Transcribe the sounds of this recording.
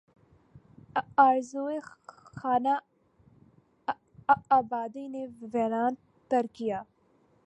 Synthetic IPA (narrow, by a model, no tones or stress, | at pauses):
aːɾzuːexaːna | aːbaːd̪ineʋɛɾaːn | t̪ɐɾkijaː